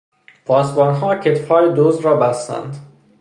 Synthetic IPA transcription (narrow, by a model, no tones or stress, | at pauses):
pʰɒːsbɒːnɦɒːcʰet̪fhɒːɾed̪oːzɾɒːbæst̪æ̰nd̪